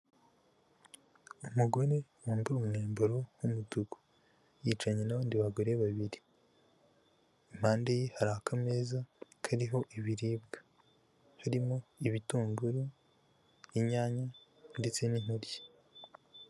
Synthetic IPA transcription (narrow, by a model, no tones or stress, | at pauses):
umuɡo̞ɾe̞woːmbiumŋeːmboɾohumutuɡu̥ | jiːt͡ʃaɲe̞naβaːndiβaɡoɾe̞βaβiɾi | im̥haːndejehaɾahakame̞ːzakʰaɾiɦo̞ʔiβiɾiːbɡḁ | haɾimo̞iβituːmbuɾu | iɲaːɲa | nde̞t͡se̞nin̥huɾje̥